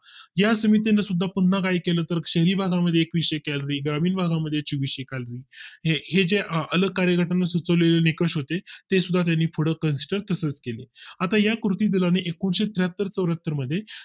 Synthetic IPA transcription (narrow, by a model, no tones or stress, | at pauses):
jasəmit̪̬enːasud̪ʱːapunːakajkeləːt̪əɾɕəɦɾiːbʱaɡaməd̪ʱːjeːkʋiʂəekɛlɾiːɡɾamiːnbʱaɡaməd̪ʱːjet͡ɕiʋiʂəekalɾiːɦehed͡ʑeələɡ̚kaɾjəkəʈanːasut͡səʋlelenikəʂɦot̪et̪esud̪ʱːat̪janːiːfʰoɽəkənsi̥ʈəɾt̪əsət͡skeleat̪ajakɾut̪iːd̪ilaneʔekuɳɕet̪ɾjat̪ːəɾt͡səʋɾat̪ːəɾməd̪ʱːje